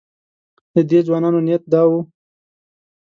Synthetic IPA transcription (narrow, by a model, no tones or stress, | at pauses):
d̪əd̪ezwɑnɑnonijat̪̚d̪ɑwu